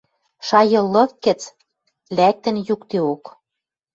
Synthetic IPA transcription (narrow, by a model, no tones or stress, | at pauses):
ʃɑjɤ̆lːɤ̆fkɘ̆t͡s | læk̚t̪ɘ̆njukt̪eok